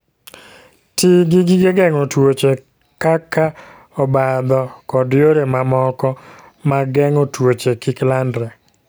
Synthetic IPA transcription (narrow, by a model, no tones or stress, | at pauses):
tiɡɪɡɪɡeɡɛŋotwot͡ʃe | kaka | ɔbad̪ɔkɔdjoɾemamɔkɔ | maɡɛŋotwot͡ʃekɪklandɾɛ